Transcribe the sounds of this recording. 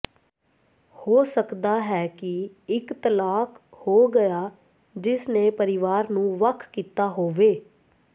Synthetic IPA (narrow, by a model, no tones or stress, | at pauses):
hoːsəkd̪aːɦɛːkɪ | ɪkt̪əlaːkʰ | hoːɡəjaː | d͡ʒɪsneːpəɾɪʋaːɾnũːʋəkʰkiːt̪aːɦoːʋeː